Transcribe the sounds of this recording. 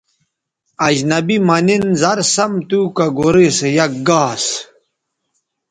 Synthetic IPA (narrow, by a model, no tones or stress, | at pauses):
ɐʑnɐbimɐninzɐɾsɐmt̪uːkɐɡoɾesejɐk̚ɡaːs